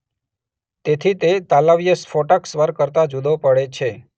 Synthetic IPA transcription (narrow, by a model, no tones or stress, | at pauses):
t̪et̪ʰit̪et̪alaʋijəsfoʈaksʋəɾkəɾt̪ad͡ʒud̪ʱopəɽet͡ʃʰe